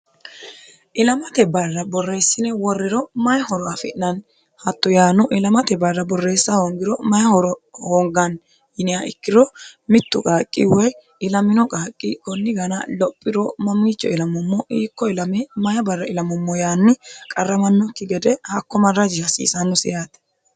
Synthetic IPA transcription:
ʔɪlɐmɐt̪ɛbɐrːɐbɔrːe̞ːsːɪnɛwɔrːɪɾɔmɐjhɔɾɔɐfɪ̰ʔnɐn | hɐt̪ːɔjaːnʊʔɪlɐmɐt̪ɛbɐrːɐbɔrːe̞ːsːɐhoːŋɡɪɾɔmɐjɐhɔɾɔhoːŋɡɐn | jɪnɛaʔɪkːɪɾɔmɪt̪ːʊkʼaːkʼːɪ̰wɔj | ɪlɐmɪnɔkʼaːkʼːɪkɔnːɪɡɐnɐ̰lɔpʼːɪɾɔmɐmːiːt͡ʃːɔɪlɐmɔmːɔʔiːkːɔɪlɐmɛmɐjɐbɐrːɐɪlɐmɔmːɔjaːnːɪkʼɐrːɐmɐnːɔkːɪɡɛd̪ɛhɐkːɔmɐrːɐd͡ʒɪhɐsḭːsɐnːɔsɪjaːt̪ɛ̥

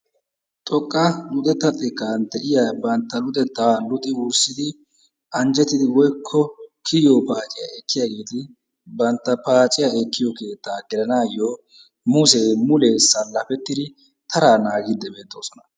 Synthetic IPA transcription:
t̪ʼɔkʼːɐlʊd̪ɛt̪ːɐt̪ʼːɪkːant̪ɛʔɪjaːbɐnt̪ːɐlʊd̪ɛt̪ːalʊt̪ʼːɪwʊɾsɪd̪ɪ | ʔɐnd͡ʒɛt̪ːɪd̪ɪwɔjkʰːɔkʰɪjoːpaːt͡ʃʼɪjaɛkːɪjaɡe̞ːt̪ɪ | bɐnt̪ːɐpaːt͡ʃʼɪjaɛkːɪjɔke̞ːt̪ːaːɡɪlɐnaːjo | mʊs̬eːmʊleːsɐlɐfɛt̪ːɪd̪ɪ | t̪ʰɐɾaːnaːɡɪd̪ːɛbe̞ːt̪ːo̞ːsɔnɐ̥

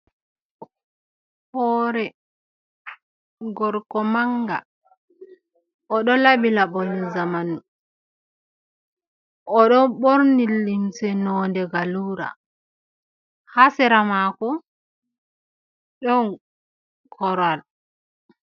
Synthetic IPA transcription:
hɔːɾɛ | ɡɔɾkɔmaŋɡa̰ | ɔɗɔlaɓilaɓɔnizamanu | ɔɗɔɓoɾnilːimsɛnɔːndɛɡaluɾa̰ | hasɛɾamakɔ | ɗɔn | kʰɔɾal

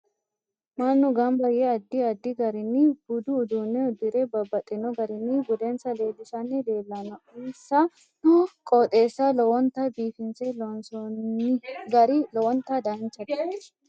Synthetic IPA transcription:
mɐnːʊɡɐmbɐjɛɐd̪ːɪɐd̪ːɪɡɐɾɪnːɪb̥ʊd̪ʊːd̪unɛɔd̪ɪɾɛbɐbːɐt̪ʼːɪnɔɡɐɾɪnːɪbʊd̪ɛnsɐle̞ːlːɪʃɐnːɪd̪e̞ːlːɐnɔɪnsɐ | kʼɔt̪ʼe̞ːsːɐlɔwɔnt̪ːɐbiːfɪnsɛlɔnsɔɪɡɐɾɪlɔwɔnt̪ːɐd̪ɐnt͡ʃːɐt̪

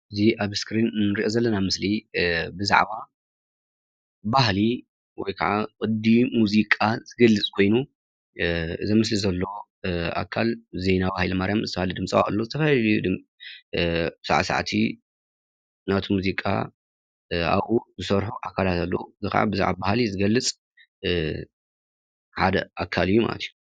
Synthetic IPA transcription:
ʔɨziʔaβskɾinnɨɾiʔozɐlːɐnamɨslibɨza̰ʕβa | baɦli | wɔ̰jkʰaʕakʼɨd̪imuzikʼazɨɡɐlːɨt͡sʼkʰo̞jnu | ʔɨ̰zimɨslizɐlːo̞ | a̰kʰːalzejnabahilmaɾjamzɨt̪ɐfahlid̪ɨmt͡sʼɐwa̰a̰lːozɨt̪ʰɐfalujud̪ɨm | bɨsaʕasa̰ʕt̪ʰḭ | nat̪ʰimuzikʼa̰ | a̰βuzɨsɐɾħuʔakʰːalat̪ʰalːo̰uzɨka̰ʕa̰bɨzṵʕa̰bahlizɨɡɐlːɨt͡sʼ | ħad̪ɐ̰ʔakʰːalɨjːuma̰lɐ̰t̪ʰju

